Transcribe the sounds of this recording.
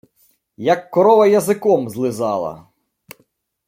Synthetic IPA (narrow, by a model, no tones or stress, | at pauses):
jɐkːɔɾɔʋɐjɐzɪkɔmzlˠɪzɑlˠɐ̰